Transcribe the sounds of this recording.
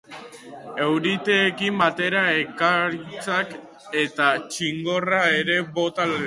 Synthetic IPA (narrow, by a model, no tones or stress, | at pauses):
e̞wɾit̪e̞ːkimbat̪e̞ɾaekaɾit͡sak | e̞t̪at͡ʃiŋɡo̞rae̞ɾe̞βo̞t̪al